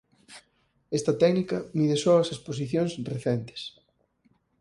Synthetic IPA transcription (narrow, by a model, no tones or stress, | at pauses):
ɛst̪ɐt̪ɛknikɐmiðesɔɐsespos̬iθjoŋsreθɛnt̪ɪ̥s